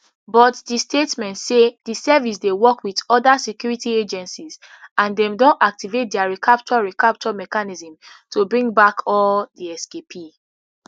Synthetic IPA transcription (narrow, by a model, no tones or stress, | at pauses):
bɔtdistetmɛ̃ntsedisɛvis̬dewɔkwidɔdasekjuɹitied͡ʒɛ̃nsiz | ãndɛ̃mdɔ̃nak̚tivet̚dɛaɹikʰap̚t͡ʃɔɹikap̚t͡ʃɔmɛkanizə̃mtobɹĩŋɡbakʰɔldiɛskepʰi